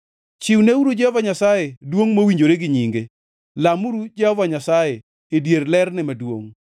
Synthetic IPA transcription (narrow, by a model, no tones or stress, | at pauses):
t͡ʃɪwneuɾud͡ʒɛhɔvaɲasajɛdwoŋmowiɲd͡ʒoɾeɡɪɲiŋɡe | lamuɾud͡ʒɛhɔvaɲasajɛ | edjerlɛrnɛmadwo̰ŋ